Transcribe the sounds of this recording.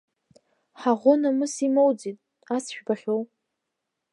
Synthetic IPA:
ħaʁʷonamɨsimowd͡zitʼ | asʃᶣbaχʲow

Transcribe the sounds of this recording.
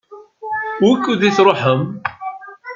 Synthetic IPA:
wʊkːuðiθɾˤoħəm

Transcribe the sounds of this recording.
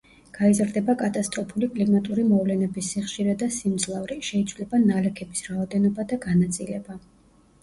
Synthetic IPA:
ɡ̥aizɾd̪ɛbakʼat̪ʼast̪ʼɾɔpʰulikʼlimat̪ʼuɾimɔvlɛnɛbisːiχʃiɾɛd̪asimd̪zlˠavɾiʃɛit̪sʰvlɛbanalɛkʰɛbisɾaɔd̪ɛnɔbad̪aɡanat̪sʼḭlɛba

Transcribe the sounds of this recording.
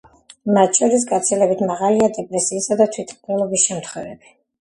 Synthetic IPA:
mat̪ʃʰɔɾis̬ɡat̪sʰilɛbit̪ʰmaʁaliad̪ɛpʼɾɛsiːsad̪at̪ʰwit̪ʰχnɛlˠɔbisʃɛmt̪ʰχwɛvɛb̥i̥

